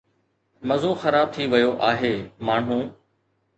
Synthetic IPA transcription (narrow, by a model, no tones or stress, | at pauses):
mɐzoːxəɾaːb̚t̪ʰiʋɐjoʔaːɦeːmaːɳ̤ũː